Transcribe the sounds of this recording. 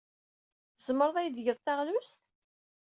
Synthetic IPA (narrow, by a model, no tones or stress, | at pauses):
θəz̥mːəɾˤðˤæjðʝəðˤt̪ːɑʁlʊst̪